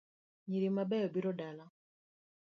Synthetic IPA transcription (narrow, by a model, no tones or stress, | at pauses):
ɲiɾimabɛɔbiɾɔdala